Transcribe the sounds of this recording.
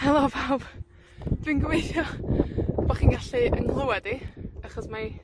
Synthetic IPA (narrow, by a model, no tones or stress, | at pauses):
hɛlˠɔpʰawb̥ | d̥wiːnɡəwejθjɔ | b̥ɔχiːnɡaɬiʔənɡlˠəwɛdiaχɔsma